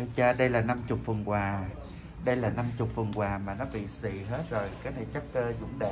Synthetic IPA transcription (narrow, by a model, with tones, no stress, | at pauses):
i˧t͡ɕaː˧ɗə˧jlaː˨˩na˧mt͡ɕʊ˨˩k͡p̚və˨˩nkwaː˨˩ | ɗə˧jlaː˨˩na˧mt͡ɕʊ˨˩k͡p̚və˨˩əŋkwaː˨˩maː˨˩nɔ˨˦ɓḭ˧˨sḭ˧˨ɦe˦˥t̚zo˨˩jka˨˦nʰe˧˩t͡ɕə˦˥k̚kəː˧zʊ̰˧˥ŋ͡mɗḛ˧˨